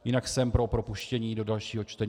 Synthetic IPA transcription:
jɪnaksɛmpɾo̞pɾopuʃcɛɲiːdo̞dalʃiːɦo̞t͡ʃt̪ɛɲ

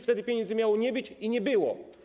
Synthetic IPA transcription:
ft̪ɛd̪ɘpʲjɲɛnd̪zɘmʲjawɔɲɛbɘt͡ɕiɲɛbɘwɔ̰

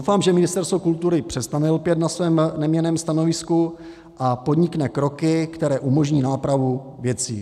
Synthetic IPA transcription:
owfaːmʒɛmɪnɪst̪ɛɾst̪vokult̪uɾɪpr̥ɛst̪anɛlpjɛt̪nasvɛːmnɛmɲɛnɛːmst̪ano̞vɪsku | ʔapo̞d̪ɲɪknɛkɾo̞kɪkt̪ɛɾɛːʔumo̞ʒɲiːnaːpɾavu | vjɛt͡sḭː

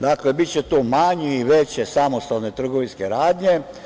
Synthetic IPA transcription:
d̪akle̞bit̪t͡ɕet̪omaɲiiʋe̞t͡ɕesamost̪alne̞t̪r̩ɡoʋinske̞ɾaːd̪ɲe̞

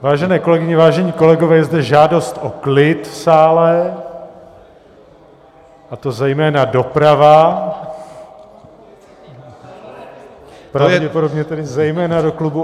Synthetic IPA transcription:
vaːʒɛnɛːko̞lɛɡɪɲɛvaːʒɛɲiːko̞lɛɡo̞vɛːjɛzdɛʒaːdo̞st̪ʔoklɪt̪saːlɛ | ʔat̪o̞zɛjmɛːnado̞pɾava | pɾavɟɛpo̞dobɲɛt̪ɛdɪzɛjmɛːnadoklubu

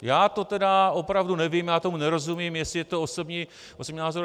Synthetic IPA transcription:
jaːt̪o̞t̪ɛdao̞pɾavdunɛvimjaːt̪o̞munɛɾo̞zumimjɛsɪjɛt̪ooso̞bɲiː | ʔosobɲiːnaːzoɾ

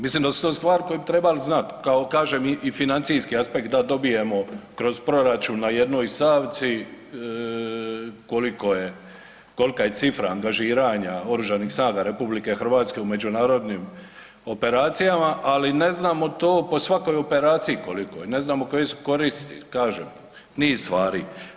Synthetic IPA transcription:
mislimd̪asu̥t̪oːst̪ʋaːɾko̞jebit̪ɾe̞balznat̪kaokaːʒemiifinant̪sijskiaspe̞kt̪̚d̪ad̪o̞bije̞mo̞kɾo̞zpɾo̞ɾat͡ʃuːnːaje̞d̪no̞ːjst̪aːʋt̪si | ko̞liko̞je̞ | ko̞likaje̞sifɾaːŋɡaʒiːɾaɲao̞ɾuʒanixsnaːɡaɾepublike̞xr̩ʋaːt̪ske̞ume̞d͡ʒunaːɾo̞d̪nim | o̞pe̞ɾaːt̪sijamaʔaline̞znaːmo̞t̪oːpo̞sʋako̞jo̞pe̞ɾaːt̪sijiko̞liko̰jne̞znaːmo̞ko̞jesu̥ko̞ɾist̪ikaːʒeːm | niːst̪ʋaːɾi

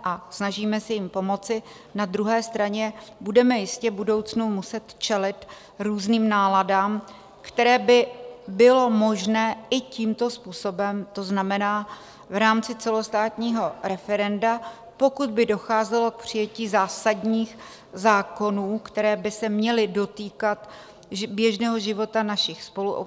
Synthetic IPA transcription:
ʔasnaʒiːmɛsɛjɪmpo̞mo̞t͡sɪ | nad̪ɾuɦɛːst̪ɾaɲɛbudɛmɛjɪscɛbudo̞wt͡snumusɛt̪t͡ʃɛlɪt̪ | ɾuːzniːmnaːladaːm | kt̪ɛɾɛːbɪbɪlo̞moʒnɛːʔɪciːmt̪o̞spuːso̞bɛmt̪o̞znamɛnaː | vɾaːmt͡sɪt͡sɛlo̞st̪aːt̪ɲiːɦo̞ɾɛfɛɾɛnda | po̞kud̪̚bɪdo̞xaːzɛlo̞k̚pr̥ɪjɛciːzaːsadɲiːx | zaːko̞nuːkt̪ɛɾɛːbɪsɛmɲɛlɪdo̞t̪iːkat̪ | bjɛʒnɛːɦo̞ʒɪvo̞t̪anaʃɪxspo̞luʔo̰

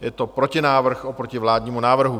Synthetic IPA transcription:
jɛt̪ɔpɾɔcinaːʋr̩xɔpɾɔciʋlaːd̪ɲɛmunaːʋr̩ɦu

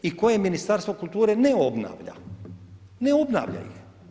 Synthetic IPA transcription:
iko̞je̞minist̪aɾst̪ʋokulˠt̪uːɾe̞neo̞bna̰ːʋʎa̰ | neo̞bna̰ːʋʎa̰jḭx

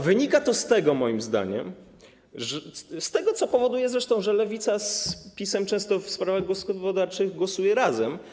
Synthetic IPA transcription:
vɘɲikat̪ɔst̪ɛɡɔmɔjimzd̪a̰ɲɛ̰m | ʐst̪ɛɡɔt̪sɔpɔvɔd̪ujɛzɾɛʂt̪ɔ̃w̃ʐɛlɛvʲit̪saspʲisɛmt͡ʂɛ̃w̃st̪ɔfspɾavaɣɡɔskɔvɔd̪aɾt͡ʂɘɣɡwɔsujɛɾazɛm

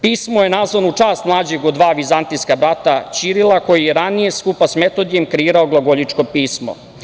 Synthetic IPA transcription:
piːsmojenazʋanut͡ʂaːst̪mlˠaːd͡ʑeɡod̪ʋaːʋizant̪iskabɾat̪at͡ɕiɾilˠako̞jijeɾanije̞skupasme̞t̪od̪ijemkɾeiːɾaoɡlˠoɡoʎit͡ʂko̞piːsmo̞̰

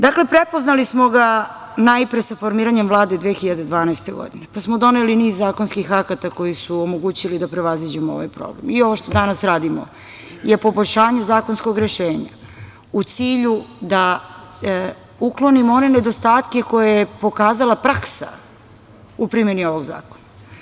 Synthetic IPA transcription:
d̪akle̞pɾepo̞znalismo̞ɡa | najpɾesafo̞ɾmiːɾaɲemvlˠaːd̪e̞d̪ʋeːxiʎad̪e̞d̪ʋaːnaest̪e̞ɡo̰d̪inepasmo̞d̪o̞ne̞liniːzːaːkonskixakat̪ako̞jisuomoɡuːt͡ɕilid̪apɾe̞ʋazʋid͡ʑemooʋa̰jpɾo̰blḛmio̞ʋoʃt̪o̞d̪anasɾaːd̪imo̰ | jepo̞boʎʲʃaːɲe̞zaːko̞nsko̞ɡɾe̞ʃe̞ːɲa̰ | ut̪siːʎud̪a | uklo̞nimo̞ne̞ne̞d̪o̞st̪aːt̪ke̞ko̞jajepo̞kaːzalˠapɾaksa̰ | upɾimje̞nio̞ʋo̞ɡza̰ːkona

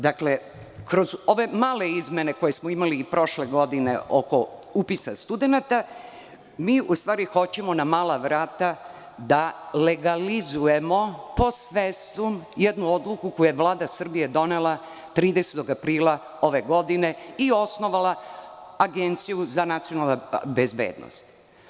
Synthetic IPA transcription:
d̪akle̞ | kɾo̞zo̞ʋe̞maːle̞izme̞ne̞ko̞jesmoimaliːpɾo̞ʃle̞ɡo̞d̪inḛʔoko̞upisa̰st̪ud̪e̞nat̪a | miːʔust̪ʋaːɾixo̞t͡ɕe̞mo̞namaːlaʋɾaːt̪a | d̪ale̞ɡalizuje̞mo̞po̞sʋest̪umjɛd̪nuod̪lˠukukojujeʋlaːd̪asr̩bije̞d̪o̞nelˠa | t̪ɾiːd̪eset̪o̞ɡapɾiːla | o̞ʋe̞ɡo̞d̪ine̞io̞sno̞ʋalaaɡe̞nt̪sijuzanat̪sijo̞nalnabezbḛːd̪no̰st̪

